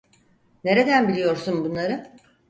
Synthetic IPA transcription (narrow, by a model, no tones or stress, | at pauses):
ne̞ɾe̞d̪ænbilʲijo̞ɾsunbunlˠaɾɯ